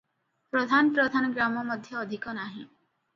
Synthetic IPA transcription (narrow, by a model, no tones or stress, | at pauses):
pɾɔd̪ʱanɔpɾɔd̪ʱanɔɡɾamɔmɔd̪ʱjɔːd̪ʱikɔnaɦĩ